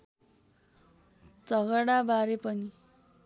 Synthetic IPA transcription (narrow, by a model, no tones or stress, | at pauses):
d͡zʌɡʌɽabaɾepʌni